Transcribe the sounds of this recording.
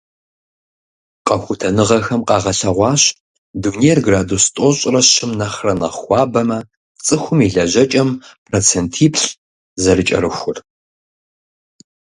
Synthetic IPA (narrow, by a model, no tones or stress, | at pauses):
qɐxʷʊtʰɐnɨʁɐxɐmqɑːʁɐɬɐʁʷɑːɕ | dunejrɡraːdustʼoɕʼrɐɕɪmnɐχrɐnɐχʷɑːbɐmɐ | t͡sʼɨxʷʊmiɮɐʒɐt͡ʃʼɐmpʰroːt͡sʰentʰiːpʰɬ | zɐɾɨt͡ʃʼɐ̰rɨxʷʊr